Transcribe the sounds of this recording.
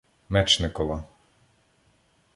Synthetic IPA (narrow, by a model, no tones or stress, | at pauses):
mɛt͡ʃnɪkɔlˠɑ